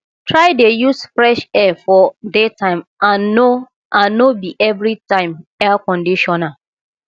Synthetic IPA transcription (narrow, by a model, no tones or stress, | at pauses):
tʰɹaɪdejusfɾɛʃɛfɔdetʰãɪ̃mao | ãːobiʔɛvɹitãɪ̃mɛakɔ̃ndiʃɔna